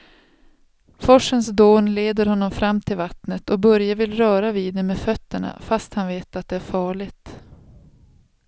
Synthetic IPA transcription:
fɔʂənsd̪oːnleːd̪əɾhɔnːɔmfɾamːt̪ʰɪlvat̪nət̪ʰɔbœɾjavɪlɾœːɾaviːd̪ːɛmeːdfœt̪ːəɳa̰fast̪hanveːt̪at̪̚d̪ɛæɾfɑːɭɪɡt̪

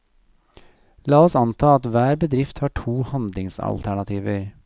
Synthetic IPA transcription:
lɑːɔsɑnt̪ʰɑːɑt̪ʋæːɾbəd̪ɾɪft̪hɑːʈʰuːhɑnd̪lɪŋsɑ̰lt̪ʰæɳɑt̪ʰiːʋəɾ

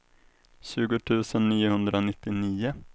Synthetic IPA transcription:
ɕʉ̟ːɡʊt̪ʰʉ̟ːsənːiːʊhɵnd̪ɾanɪt̪ːɪniːʊ

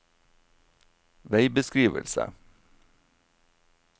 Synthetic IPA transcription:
ʋæɪbəskɾiːʋə̰lsə̰

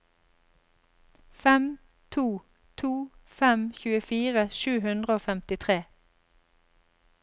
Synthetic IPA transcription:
fɛm | t̪ʰuː | t̪ʰuːfɛmçʉːəfiːʁəʃʉːhʉnd̪ʁəoːfɛmt̪ɪt̪ʰʁeː

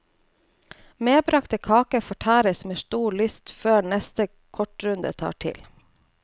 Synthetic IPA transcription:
meːbɾɑkt̪əkʰɑːkəfɔʈʰæːɾəsmeːʃt̪uːɭʏst̪føːɳɛst̪ə | kʰɔʈɾʉnd̪ə̰t̪ʰɑ̰ːʈʰɪ̰l

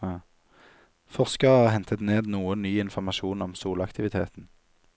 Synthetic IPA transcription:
fɔʁskəʁɑːɦɛnt̪ʰət̪neːd̪nuːənːyːɪnfɔʁmɑʃuːnɔmsuːlɑkt̪ʰɪʋɪt̪ʰeːt̪n̩

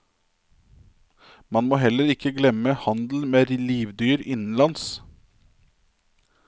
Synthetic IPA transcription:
mɑnmoːɦɛləɾɪkəɡlɛməhɑnd̪l̩meːɾliːʋd̪yːɾɪnn̩lɑns

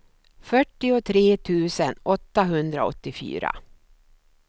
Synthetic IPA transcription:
fœʈːɪʊt̪ʰɾeːt̪ʰʉ̟ːsənɔt̪ːaɦɵnd̪ɾaɔ̰t̪ːɪfy̰ːɾa̰

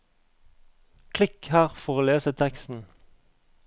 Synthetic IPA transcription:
kʰlɪkhæːʁfɔʁoːleːsət̪ʰɛkst̪n̩

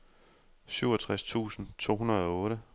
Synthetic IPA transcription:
syʊ̰ɒt͡sʰʁast͡sʰṵːsn̩t͡sʰo̝̰ːɦunɐð̞̩ˠɒ̽ɔ̽ːɾə

